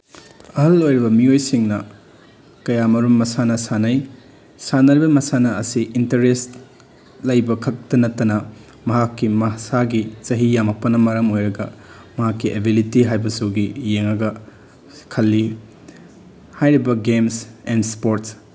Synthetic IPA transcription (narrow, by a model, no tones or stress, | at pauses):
ɐɦɐlojɾibɐmiojsiŋnɐ | kɐjamɐɾumːɐsanɐsanɐj | sanɐɾibɐmɐsanɐːsiʔintɐɾest | lɐjbɐkʰɐk̚tɐnɐtːɐnɐ | mɐɦakːimɐsaɡit͡ʃɐɦijamɐk̚pɐnːɐmɐɾɐmojɾɐɡɐ̰mɐɦakːiebilitiɦajbɐsuɡijeŋɐɡɐ | kʰɐlːi | hajɾibɐɡemsendspoɾts